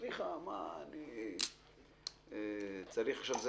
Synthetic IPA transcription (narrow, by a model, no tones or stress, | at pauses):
liχama̰ːni | et͡saɾiχaʃavz